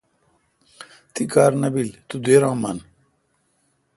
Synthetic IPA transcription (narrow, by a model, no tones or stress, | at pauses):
t̪ikaːɾnɐbilt̪ud̪eːɾãːmɐn